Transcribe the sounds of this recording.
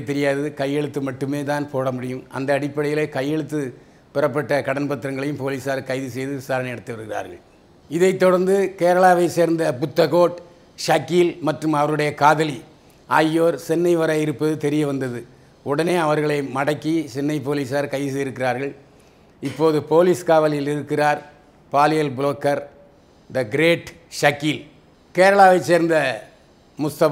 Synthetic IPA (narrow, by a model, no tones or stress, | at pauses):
t̪ːɛɾɪjaːðɐðɯkɐjːɛɭɯt̪ːɯmɐʈːɯmeːt̪aːnpoːɽɐmʊɽɪjɯmʔɐ̰nd̪ɐːɽɪpːɐɽɐjɪleːkɐjːɛɭɯt̪ːɯ | pɪrɐpːɐʈːɐkɐɽɐnpɐt̪ːɪɾɐŋɡɐɭɐjɯmpoːliːsaːɾkɐɪðɯsɛjðɯʋɪsaːɾɐnɐɪɛɽɐt̪ːɯʋɐɾɯɣɪra̰ːɾɣɐ̰ɭ | ɪðɐɪt̪ːɔɽɐɾnd̪ɯkeːɾɐɭaːʋɐɪseːɾnd̪ɐpʊt̪ːɐɣoːʈ | ʂaːkːiːlmɐʈrɯmɐʋɐɾɯɽɐjɐkaːðɐli | ʔaːjːoːɾsɛnːɐɪʋɐɾaːjɪɾɯpːɐðɯt̪ɛɾɪjɐʋɐnd̪ɐðɯ | ɔɽɐneːɐʋɐɾɣɐɭɐɪmɐɽɐkːisɛnːɐɪp̬oːliːsaːɾkɐɪsɪɾɯkːɪraːɾɣɐɭ | ɪpːoːðɯpoːliːskaːʋɐlɪjɪlɪɾɯkːɪraːɾ | paːlɪjɐlbɪɭoːkːɐɾ | nd̪ɐɡɪɾeːʈ | ʂɐkːiːl | keːɾɐɭaːʋɐɪt͡ʃːeːɾnd̪ɐ | mʊst̪ɐ